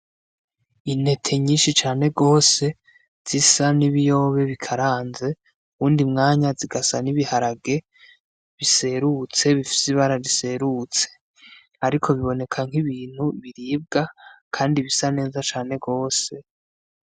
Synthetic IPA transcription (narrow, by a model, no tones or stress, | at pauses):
ine̞tʰe̞ɲiːnʃit͡ʃaːne̞ɡo̞ːse̞ | z̥isaniβijo̞ːβe̞βikʰaɾaːnze̞ | uβuːndimŋaːɲaziɡasaniβihaɾaɡe̞ | βise̞ɾut͡se̞βifi̥siβaɾaɾise̞ɾut͡se̞̥ | aɾikʰo̞βiβo̞ne̞kʰaŋ̥iβiːn̥huβiɾiːb̚ɡakʰaːndiβisane̞ːzat͡ʃaːne̞ɡo̞ːse̞